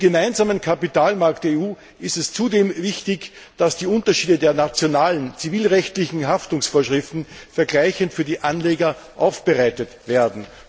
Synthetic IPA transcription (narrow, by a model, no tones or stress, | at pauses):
ɡemaɪnzaːmənkʰapitaːlmaɐktd̥ɛɐeuː | ɪstɛst͡sudeːmvɪçtɪç | d̥asd̥iːʊntɐʃiːdədeːɐnat͡sjonaːlənt͡siviːlʁɛçtlɪçn̩ɦaftʊŋsfoːɐʃʁ̥ɪftn̩fɛɐɡlaɪçəntfyːɐdiːʔanleːɡɐ | ʔaʊfb̥əʁaɪtətv̥eːɐdn̩